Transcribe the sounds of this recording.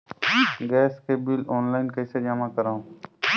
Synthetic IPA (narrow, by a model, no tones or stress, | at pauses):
ɡɛːskebɪlɔːnlaːɪnkɐɪsed͡ʒamakɐɾaũ